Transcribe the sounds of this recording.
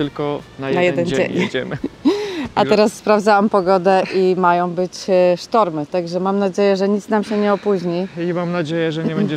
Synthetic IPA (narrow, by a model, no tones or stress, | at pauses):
t̪ɘlkɔnajnajɛd̪ɛnd͡ʑḛɲd͡ʑɛm | ʔaɛɾasːpɾavd̪zawampɔɡɔd̪ɛʔimajɔ̃w̃bɘt͡ɕʂt̪ɔɾmɘt̪aɡʐɛmamnad͡ʑejɛʐɛɲit̪snamɕɛɲɛɔpuʑɲiimamnad͡ʑejɛʐɛɲɲɛbɛd͡ʑɛ